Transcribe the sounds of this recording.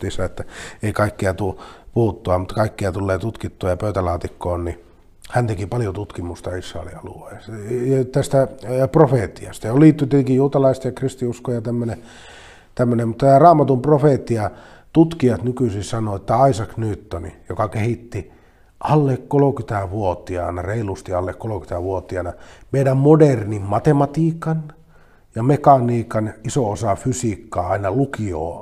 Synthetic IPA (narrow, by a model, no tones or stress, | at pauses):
t̪isɑet̪ːæeikɑikːiɑt̪upuhut̪ːuɑmut̪ːɑkɑikːiɑt̪ulːeːt̪ut̪kit̪ːuɑjɑpøyt̪ælɑːt̪ikːoːnni | hænt̪ekipɑljot̪ut̪kimust̪ɑisrɑ̰elḭɑlṵesjt̪æst̪æprofeˑt̪ːiɑ̰st̪ɑjoliːt̪ːyt̪et̪eŋkijuːt̪ɑlɑist̪jɑkrist̪iuskojɑt̪æmːøne | t̪æmːønemut̪ːɑtæːrɑːmɑt̪umprofeˑt̪ːiɑ | t̪ut̪kiɑt̪nykysissɑnoet̪ːæɑisɑknyːt̪ːonḭjokɑkehit̪ːi | ʔɑlːekkolokyt̪æʋuot̪iɑ̰nɑreilust̪iɑlːekkoloky̥t̪æʋuot̪iɑnɑmeidæmmodernimmɑt̪emɑt̪iːkɑn | jɑmekɑniːkɑnisoosɑfysikːɑːɑinɑlukio̰ː